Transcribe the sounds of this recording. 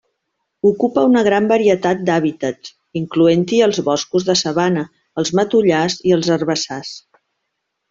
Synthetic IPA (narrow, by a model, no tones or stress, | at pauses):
ukupəunəɣ̞ɾambəɾiət̪at̪̚d̪aβit̪əts | iŋkluent̪iəlˠzβɔskuzðəsəβanəː | lˠzmət̪uʎaziəlˠzərβəsas